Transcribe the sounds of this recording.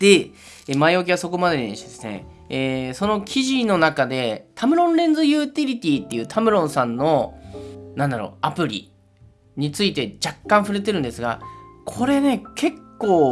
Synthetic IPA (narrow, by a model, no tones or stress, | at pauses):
d̪̥e̞ | emaiokʲiβaso̞ko̞mad̪e̞ɲiɕod̪esɨne̞̰ | so̞no̞kʲʰiʑino̞nakad̪e̞t̪ʰamɯ̟ɾõ̞nɾẽ̞nd͡zɨjɯːt̪ʲiɾʲit̪ʲiːt̪ːe̞jɯ̟ːt̪ʰamɯ̟ɾõ̞ɰ̃sãnːo̞ | nãnd̪aɾo̞̰apɯ̟ɾʲḭ | ɲ̟it͡sɨit̪e̞d͡ʑakːãɰ̃ɸɯ̟ɾe̞t̪e̞ɾɯ̟nd̪e̞sɨɡa̰kʰo̞ɾe̞ne̞kʰe̞kːoː